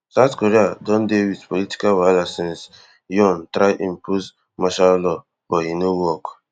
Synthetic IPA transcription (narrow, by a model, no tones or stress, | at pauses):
satkɔɾiadɔ̃ndewitpɔliti̥kawalasɛ̃ns | jɔ̃ntɾajʔĩmpuz | maʃallɔ | b̥ɔhinowɔk